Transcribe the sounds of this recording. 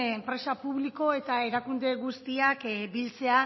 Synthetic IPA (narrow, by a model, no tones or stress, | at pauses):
empɾe̞sapuβ̞liko̞e̞t̪ae̞ɾakund̪e̞ɣust̪iakbilt͡se̞a